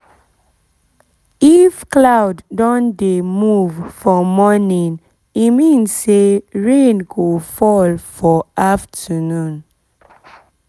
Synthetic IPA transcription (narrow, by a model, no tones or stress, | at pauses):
ifklawdːɔ̃ndemuvfɔmɔnĩn | imĩnsseɹẽnɡofɔlfɔʔaftʰənũn